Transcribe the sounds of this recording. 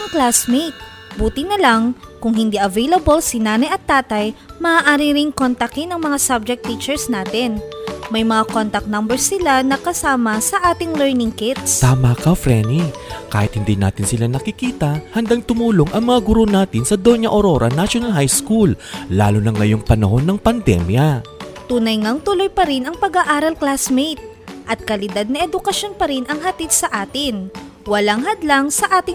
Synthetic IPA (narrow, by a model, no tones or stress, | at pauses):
ŋklasmejt̪̚ | buːt̪ɪnɐlaŋkʊŋhɪnd̪iʔɐvejlɐbolsɪnaːnɐjɐt̪ːaːt̪ɐjmɐʔːʔaːɾɪɾɪŋkont̪ɐkɪnɐŋmɐŋasab̚d͡ʒɛk̚t̪ːit͡ʃɛɹsnaːt̪ɪnmɐjmɐŋakont̪ɐk̚nambɛɹsːɪlanɐkɐsaːmɐsɐʔaːt̪ɪŋlɛɹnɪŋkɪt̪̚st̪aːmakɐfɾɛnika̰ːhɪt̪hɪnd̪ina̰ːt̪ɪnsɪlanɐkɪkiːt̪ɐhɐnd̪aŋt̪ʊmuːloŋʔɐŋmɐŋaɡʊɾo̞naːt̪ɪnsɐd̪oɲɐʔoɾo̞ɾɐnaʃjonɐlɦajskulːa̰ːlonɐŋːɐjo̞ŋpɐnɐho̞nːɐŋpɐnd̪ɛ̰mjɐt̪uːnɐjŋɐŋt̪ʊlo̞jpɐɾɪnɐŋpɐɡaʔaːɾɐlklasmejt̪̚ | ʔɐt̪̚kɐlɪd̪ad̪̚nɐʔɛd̪ʊkɐʃjo̞npɐɾɪnɐŋɦɐt̪id̪̚sɐʔaːt̪ɪn | wɐlaŋɦɐd̪laŋsɐʔaːt̪ɪ